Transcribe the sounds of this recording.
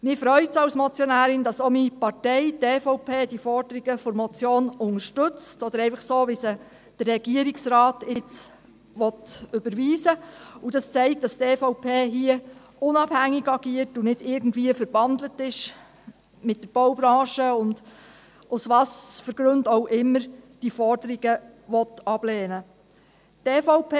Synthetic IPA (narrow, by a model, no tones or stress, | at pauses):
mɪɾfɾœʏtsɑwsmɔt͡sjɔnæːɾɪndɑsɔmipɑtɛɪtɛːfɔʊpʰeːd̥ifɔrd̥əɾiɡəfɔɾmɔt͡sjoːnʊŋəʃtɵt͡stɔd̥̪əɾɛɪfəχsoːʋɪsə | d̥ərːɛɡiəɾiksɾɑːtɪt͡s | ʋɔtʏbəɾʋiːsəudɑst͡sɛɪk̚td̥ɑstɛːfɔʊpʰeːɦiə | ʔʊnɑbhæŋːiɡɑɡ̥iətunɪd̥ɪːɾɡn̩tʋiːəfəɾb̥ɑnd̪lətɪʃ | mɪt̚d̥əɾb̥ɔwbɾɑ̃ːʃəʊnd | usʋɑːsfəɾɡ̥ɾɵndowʔɪmːəɾd̥ifɔrdəɾiɡ̥ə | ʋɔtɑb̥lɛːnə | tɛfɔʊpʰe